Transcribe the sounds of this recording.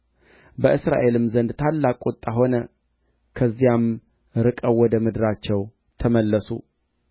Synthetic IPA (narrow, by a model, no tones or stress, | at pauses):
bəʔɨsɾa̰ʔe̞lɨmzənd̪t̪ʰalːakʼot̪ʼːaɦo̞nə | kʰəzːijam | ɾɨkʼəwwːɔd̪əmɨd̪ɨɾat͡ʃːɛw | t̪ʰəməlːəsṵ